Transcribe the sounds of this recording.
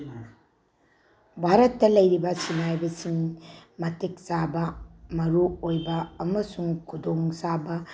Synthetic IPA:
bʱaɾɐtːɐlɐjɾibɐsinajbɐsiŋmɐtek̚sabɐmɐɾuojbɐːmɐsuŋkʰudoŋsabɐ

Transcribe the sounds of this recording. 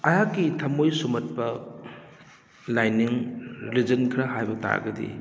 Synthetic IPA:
ɐjakːitʰɐmojsumɐt̚pɐ | lajniŋɾilid͡ʒɐnkʰɾaɦajbɐta̰ɡɐdḭ

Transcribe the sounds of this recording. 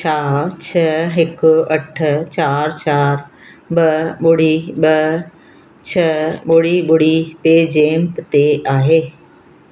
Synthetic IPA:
t͡ɕaːɾt͡ɕʰɐɦɪkʊɐʈʰt͡ɕaːɾt͡ɕaːɾ | ɓɐɓʊɽ̤iɓɐ | t͡ɕʰɐɓʊɽiɓʊɽ̤ipeːd͡ʑeːmpt̪eaːɦeː

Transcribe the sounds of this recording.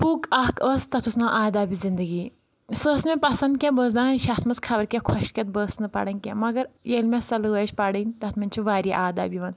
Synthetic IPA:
pukɐkʰəːst̪ɐt̪ʰusnaːʔaːd̪aːbizind̪əɡiː | səːsmʲẽpɐsɐnd̪̚kʲɛ̃bəːs̬d̪ãnɐnʃʲat̪ʰmɐskʰɐbɐɾkʲɛ̃kʰɔʃkʲɐt̪̚bəːsnɨpɐ̰ɽɐnʲkʲɛ̰̃mɐɡɐɾjelmʲẽsɐlɨət͡ʃʰʲpɐɽɐnʲt̪ɐt̪mɐnʲt͡ʃʰiʋaːɾʲja̰ʔaːd̪a̰ːbiʋɐn

